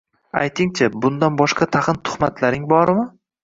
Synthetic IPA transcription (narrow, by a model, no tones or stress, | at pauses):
a̰jt̪ʰɪŋt͡ʃʰabʊnd̪anbɒʃqɑt̪ʰaqɨnt̪ʰʊ̥χmat̪ʰlaɾɪŋbɒɾɪmɪ